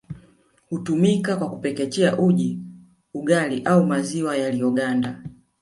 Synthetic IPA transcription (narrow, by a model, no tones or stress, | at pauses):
hutumikakwakupɛkɛt͡ʃɛaʔuʄi | uɡaliʔaumaziwajalijɔɡanda